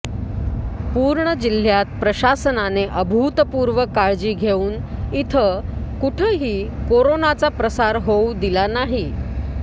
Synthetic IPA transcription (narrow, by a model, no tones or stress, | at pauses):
puːɾɳəd͡ʑil̤jat̪̚pɾəɕasənaneʔəbʱuːt̪əpuːɾʋəkaɭd͡ʑiːɡʱeuːnit̪ʰəkuʈʰəɦiːkoɾonat͡sapɾəsaɾɦowd̪ilanaɦi